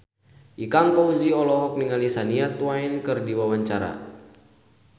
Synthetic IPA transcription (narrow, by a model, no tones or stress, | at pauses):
ʔikaŋpɔuziɔlɔɦɔk̚niŋalisaniat̪uwainkɨrdiwawaɲt͡ʃaɾa̰